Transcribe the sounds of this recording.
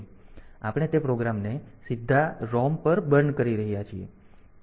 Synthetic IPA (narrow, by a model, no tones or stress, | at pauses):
apɽ̃et̪epɾoɡɾamnesid̪ʱːaɾɔmpəɾbəɾɳkəɾiɾəɦijat͡ʃʰie